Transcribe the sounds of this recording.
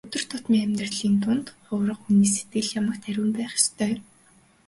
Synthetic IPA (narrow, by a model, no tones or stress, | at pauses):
ɵt̪ɵ̆r̥t̪ʰʊt̪miːŋæmʲt̪rɮiːnt̪ʊnt̪χʊwɾə̆quniːs̬et̪̚ɡɘ̆ɮjamə̆kt̪ʰæɾʲuːmpæːχɪ̥st̪ʰœː